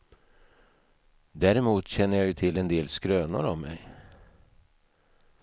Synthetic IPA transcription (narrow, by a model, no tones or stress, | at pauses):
d̪æːɾɪmuːt̪ɕɛnːəjɑjɵt̪ʰɪlːɛnd̪eːlskɾøːnʊ̰ɾɔmːɛ̰j